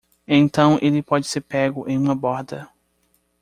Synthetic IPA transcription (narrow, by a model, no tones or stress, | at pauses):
ẽt̪ɐ̃w̃ʔelɪpɔd͡ʒɪseɾpɛɡʊʔẽj̃ũmɐbɔɾd̪ɐ